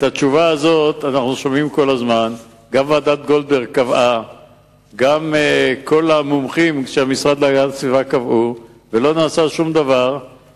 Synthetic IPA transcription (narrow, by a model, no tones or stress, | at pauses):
et̪at͡ʃuvaːzo̞t̪anaχnuʃomimko̞lazman | ɡamvaːd̪at̪ɡo̞ldeʁkavʔa | ɡameko̞lamumχimkʃeamisʁad̪laɡatsvivakavʔu | velo̞naːsaʃumd̪avaʁ